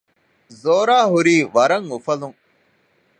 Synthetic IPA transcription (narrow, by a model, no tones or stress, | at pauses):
zoːɾaːɦuɾiːʋɐɾɐŋufɐlũŋ